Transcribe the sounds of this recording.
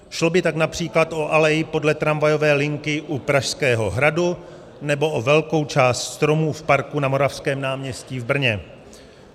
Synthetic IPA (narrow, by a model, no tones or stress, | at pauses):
ʃlobɪt̪aknapr̝̥iːklat̪ʔo̞ʔalɛjɪpo̞dlɛt̪ɾamvajo̞vɛːlɪŋkɪʔupɾaʃskɛːɦo̞ɦɾadu | nɛbo̞ʔovɛlko̞wt͡ʃaːst̪st̪ɾo̞muːfpaɾkunamo̞ɾafskɛːmnaːmɲɛsciːvbr̩ɲɛ